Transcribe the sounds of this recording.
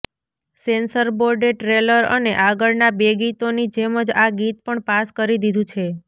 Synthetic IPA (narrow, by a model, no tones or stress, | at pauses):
sensəɾboɾɖeʈɾeləɾə̰neʔaɡəɭnabeɡit̪onid͡ʒeməd͡ʒaɡit̪̚pəɳpaskəɾid̪id̪ʱũt͡ʃʰe